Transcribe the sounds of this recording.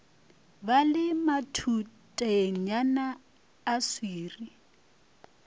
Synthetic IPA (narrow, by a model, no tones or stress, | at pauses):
balɪmatʰutʼaɲanaː | swiːri